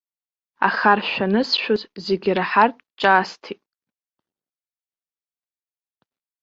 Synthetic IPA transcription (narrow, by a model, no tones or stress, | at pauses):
a̰χarʃʷᶣanɨsʃᶣozzeɡʲiɾaħartʼt͡ʃʼaːstʰitʼ